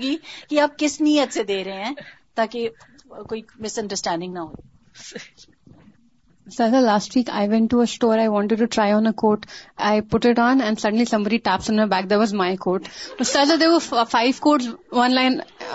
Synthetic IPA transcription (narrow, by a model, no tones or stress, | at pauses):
ɡiːkiaːp̚kɪsnijət̪sed̪eːɾɐɦẽɦɛ̃ːt̪aːke | koːimɪsɐ̃ɳɖəɾsʈɛ̃ːɳɖɪ̃ŋɡnaɦoː | səzəlaːsʈʋiːka̰ɪʋɛ̃ɳʈːuəsʈoːɾaɪʋɔ̃ːɳʈɪɖ̚ʈuʈɾaɪɔ̃ːnəkoːʈaɪpʊʈɪʈɔ̃ːnɛ̃nsɐɖə̃nlisɐ̃mbəɖiʈæːp̚sə̃məbæk̚d̪eːɾʋɔzmaɪkoːʈsoːsɐɾzəd̪eʋɔfaɪʋkoːʈsʋɐ̃nlãɪ̃n